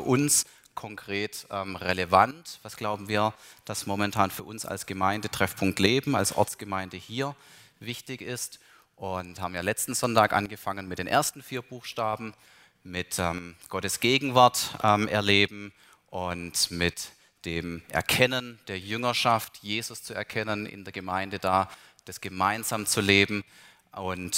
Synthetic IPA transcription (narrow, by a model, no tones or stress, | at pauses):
ʔʊns | kʰɔŋkʁ̥eːtʔɛːmʁeləvantv̥asɡ̥laʊbm̩viːɐd̥asmɔmɛntʰaːnfyːɐʊnsa̰lsɡ̥əmaɪndətʁ̥ɛfpʰʊŋk̚tleːbm̩a̰lsʔɔ̰ɐt͡sɡ̥əmaɪndəhiːɐvɪçtɪçɪst | ʔʊnthaːbm̩jaːlɛt͡stn̩zɔntaːkʔa̰nɡəfaŋənmɪt̚d̥eːnʔḛːɐstn̩fiːɐb̥uːxʃtaːbm̩ | mɪtɛːmɡ̥ɔtəsɡ̥eːɡŋ̩vaɐtʔɛːmʔɛɐleːbm̩ | ʔʊntmɪt | d̥eːmʔɛ̰ɐkʰɛnənd̥eːɐjʏŋɐʃaftjeːzʊst͡suɛɐkʰɛnənʔɪ̰ndeːɐɡəmaɪndədaː | d̥asɡ̥əmaɪnzaːmt͡suleːbm̩ | ʔʊnt